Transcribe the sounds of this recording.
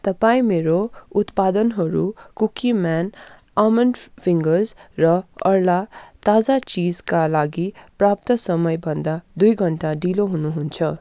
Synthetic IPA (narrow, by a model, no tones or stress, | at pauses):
t̪ʌpaĩmeɾout̪pad̪ʌnɦʌɾukukiman | amʌnpʰiŋɡʌzrʌʌɾlat̪ad͡zat͡sid͡zkalaɡiprap̚t̪ʌsʌmʌjbʱʌnd̪ad̪ujɡʱʌɳʈaɖiloɦunuɦunt͡sʰʌ